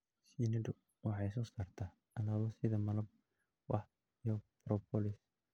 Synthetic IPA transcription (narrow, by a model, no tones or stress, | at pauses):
sinɐdʊ | wɑħɑjs̬ɔsaːrt̪ʰa | ɐlaːβɔsɪðɐmɐlɐb̚ | wɑħ | jɔb̥ɾɔpʰɔlɪs